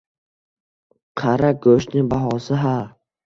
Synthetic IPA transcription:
qʰaɾaɡɵʃnɪŋbaɦɒsɪɦa

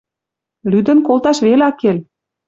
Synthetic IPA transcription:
lyd̪ə̆nkolt̪ɑʃβelɑkel

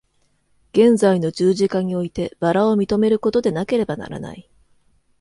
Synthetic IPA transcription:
ɡ̥ẽ̞nzaino̞d͡ʑɨːʑikaɲ̟io̞it̪e̞b̥aɾao̞mʲit̪o̞me̞ɾɯ̟ko̞t̪o̞d̪e̞nake̞ɾe̞bana̰ɾa̰na̰i

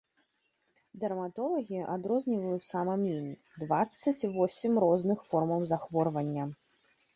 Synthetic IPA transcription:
d̪ɐrmat̪ɔlˠɐɣʲiʔad̪ɾɔzʲnʲivɐjut̪samɐmʲinʲi | d̪vat̪sːɐt͡sʲvɔsʲimrɔznɨxfɔrmɐwzaxvɔrvɐnʲːɐ

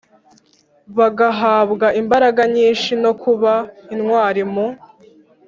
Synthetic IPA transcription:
βaɡaɦaːβɡaʔimbaɾaɡaɲiːnʃino̞kʰuβainŋwaːɾimu

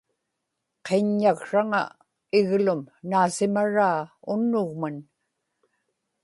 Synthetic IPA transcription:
qʰeɲːaɣʂaŋa̰ | ɪɣlʊmnaːsɪmaɻaːʊnːʊɣman

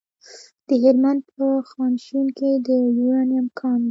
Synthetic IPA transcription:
d̪̥əɦɪɾmand̪̚pəxɑnʃunked̪əlianamkʰɑn

